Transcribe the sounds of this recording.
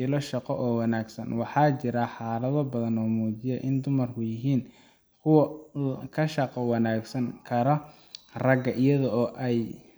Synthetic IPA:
ɪlɔʃɑqɔʔɔːwɑnaːɡsɐnwɑħɑːt͡ʃɪɾaħɑːlɐðɔbɐðɐnɔːmuːt͡ʃɪjɛʔɪnd̪ʊmɐrkʰʊjɪɦiːn | kʰʊwɐkʰɐʃɑqɔwɑnaːɡsɐŋkʰɐɾɔ | rɐɡɐʔɪjɐðɔɔːʔɛj

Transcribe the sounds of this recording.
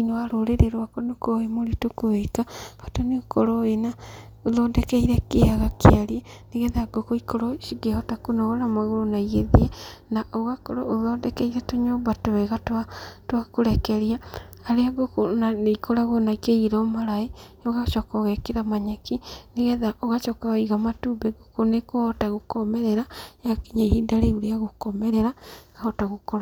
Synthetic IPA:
inowaɾoɾeɾeɾwakɔnokoemoɾitokoekaɣatoneokɔɾoena | oðɔːdɛkɛiɾɛkeaɣakeaɾieneɣɛðaɡokoikoɾɔʃiɡehɔtakonoɣoɾamaɣoɾonaiɣeðiɛnaʔoɣakɔɾooðɔːdɛkɛiɾɛtoɲobatoweɣatatwakoɾɛkɛɾiaː | ɾeaɡokonaneikoɾaɣonakeiɾɔmaɾae | oɣaʃɔkɔɣɛkeɾamaɲakineɣɛðaʔoɣaʃɔkaiɣamatubɛɡokonekohɔtaɣokɔmɛɾɛɾajakiɲaihidaɾeoɾeaɣokɔmɛɾɛɾaɣahɔtaɣokɔɾa

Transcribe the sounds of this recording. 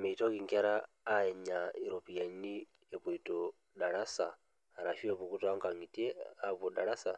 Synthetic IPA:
mɛitɔkiŋkɛɾaː | ɛɲaiɾɔpijani | ɛβuitɔ | daɺasaː | ɾaʃuɛβukutɔaŋkaŋitiɛaβɔdaɺasa

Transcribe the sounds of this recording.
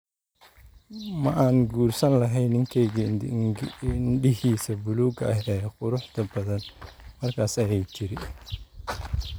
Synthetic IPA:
mɐʔaːŋɡuːrsɐnlɐɦɛjnɪŋkʰɛjɣ | nɖɪɦiːsɐbʊluːɡɐʔɐɦɛːqʊɾʊħt̪ɐbɐðɐnmɐrkʰaːsɐjɛjt͡ʃɪɾɪ

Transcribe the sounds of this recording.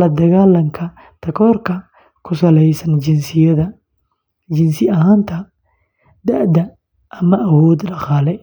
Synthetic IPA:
lɐd̪ɐɣaːlɐŋkʰɐ | t̪ʰɐkʰɔːrkʰɐ | kʰʊsɐlɛjsɐnd͡ʒɪnsɪjɐðɐ | d͡ʒɪnsɪɐɦaːnt̪ʰɐ | d̪ɐʔd̪ɐ | ʔɐmɐʔːwɔːd̪ɗɐqɑːlɛ

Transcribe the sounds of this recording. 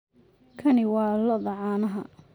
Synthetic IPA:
kʰɐnɪwɑːlɐðɐʕɑːnɐɦɐ

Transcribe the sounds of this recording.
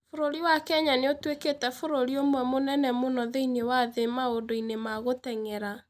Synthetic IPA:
foɾoɾiwakɛɲaneotweketɛfoɾoɾiomwɛmonɛnɛmonɔðeinewaðemaodoinemaɣotɛŋɛɾa

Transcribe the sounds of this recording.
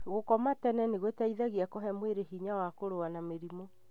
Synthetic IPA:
ɣokɔmatɛnɛneɣwetaiðaɣiakɔɦɛmweɾeɦiɲawakoɾowanameɾimo

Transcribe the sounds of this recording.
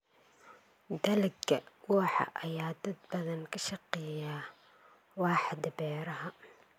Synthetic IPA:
d̪ɐlɪɡɐwuːħɑ̰ʔɐjaːd̪ɐd̪̚bɐðɐnkʰɐʃɑqɛːjaː | wɑːħd̪ɐbɛːɾɐɦɐ

